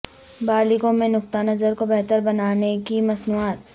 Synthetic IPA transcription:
baːlɪkõmẽnʊk̚t̪anɐzəɾkobɛɦt̪əɾbɐnaːnekimɐsnuaːt̪

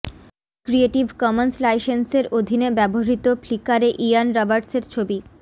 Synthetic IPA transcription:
kɾieʈibʱkɔmenslajʃenseɾod̪ʱinebɛboɦit̪oflikaɾeʔijanɾɔbaɾʈseɾt͡ɕʰobi

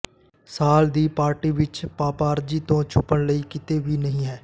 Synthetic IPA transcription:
saːld̪iːpaːɾʈiːʋɪt͡ʃpaːpaːɾd͡ʒiːt̪õːt͡ʃʰʊpːəɳləiːkɪt̪eːʋiːnəɦĩːɦɛː

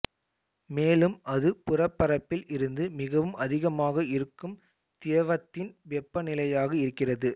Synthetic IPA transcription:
meːlɯmʔɐðɯpʊrɐpːɐɾɐpːɪlʔɪɾɯnd̪ɯmɪɣɐʋɯmʔɐðɪɣɐmaːɣɐɪɾɯkːɯm | t̪ɪjɐʋɐt̪ːɪnʋɛpːɐnɪlɐjaːɣɐɪɾɯkːɪrɐðɯ

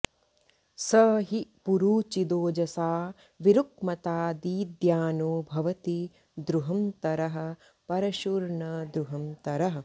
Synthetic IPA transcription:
sɐɦipuɾuːt͡ʃid̪oːd͡ʒɐsaː | ʋiɾuk̚mɐt̪aːd̪iːd̪jaːnoːbʱɐʋɐt̪i | d̪ɾuɦɐmt̪ɐɾɐɦɐ̆ | pɐɾɐʃuːɾɳɐd̪ɾuɦɐmt̪ɐɾɐɦɐ̆

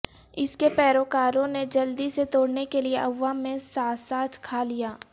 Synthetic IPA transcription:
ɪskepɛːɾoːkaːɾõned͡ʒɐld̪iset̪oːɽnekelieʔɐʋːaːmẽsaːsaːt̪kʰaːlijaː

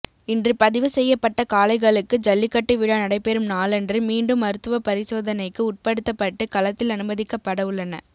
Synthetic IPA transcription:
ɪndrɯpɐðɪʋɯsɛjːɐpːɐʈːɐkaːlɐɪɣɐɭɯkːɯd͡ʒɐlːɪkːɐʈːɯʋɪɽɐnɐɽɐɪpːɛɾɯmnaːlɛndrɯmiːɳɖɯmɐɾɯt̪ːɯʋɐpɐɾɪsoːðɐnɐɪkːɯʊʈ̚pɐɽɯt̪ːɐpːɐʈːɯkɐlɐt̪ːɪlɐnɯbɐðɪkːɐpːɐɽɐɯɭːɐnɐ

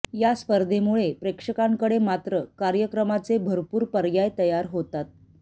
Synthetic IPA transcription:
jaspəɾd̪ʱemuɭepɾekʂəkãŋkəɽemat̪ɾəkaɾjəkɾəmat͡sebʱəɾpuːɾpəɾjajt̪əjaɾɦot̪at̪̚

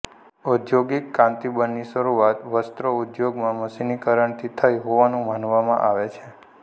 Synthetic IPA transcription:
ud̪joɡikːãnt̪ibənːiʃəɾuat̪ʋəst̪ɾəud̪joɡmãməsinikəɾəɳt̪ʰit̪ʰajɦoʋanũmanʋamã̰ʔaʋet͡ʃʰe

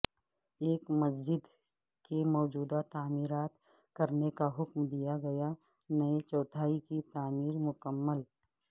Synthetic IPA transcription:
eːkmɐs̬d͡ʒɪd̪ | kemɔːd͡ʒuːd̪at̪aːmiːɾaːt̪ | kɐɾnekaɦʊkmd̪ijaɡɐja | nɐet͡ʃɔːt̪ʰaːikit̪aːmiːɾmʊkəmːəl

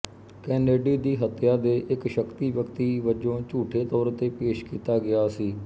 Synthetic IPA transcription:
kɛːneːɖiːd̪iːɦət̪jaːd̪eːʔɪkʃəkt̪iːʋjəkt̪iːʋəd͡ʒõːt͡ʃuːʈʰeːt̪ɔːɾt̪eːpeːʃkiːt̪aːɡɪaːsiː

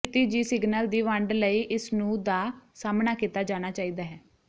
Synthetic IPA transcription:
t̪iːd͡ʒiːsɪɡnəld̪iːʋəɳɖləiːʔɪsnũːd̪aːsaːmnaːkiːt̪aːd͡ʒaːñaːt͡ʃaːiːd̪aːɦɛː

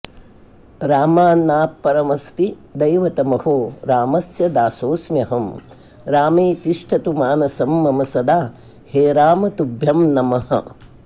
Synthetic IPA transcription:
ɾaːmaːnːaːpːɐɾɐmɐst̪id̪ɐjʋɐt̪ɐmɐhoːɾaːmɐsjɐd̪aːsoːsmjɐɦɐm | ɾaːmeːt̪iʂʈʰɐt̪umaːnɐsɐmːɐmɐsɐd̪aː | heːɾaːmɐt̪ubʱjɐmnɐmɐhɐ̰

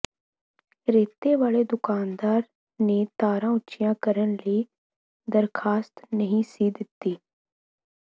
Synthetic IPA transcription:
ɾeːt̪eːʋaːɭeːd̪ʊkaːnd̪aːɾ | neːt̪aːɾãːʊtːʃɪjãːkəɾənləiː | d̪əɾkʰaːst̪nəɦĩsiːd̪ɪt̪ːiː

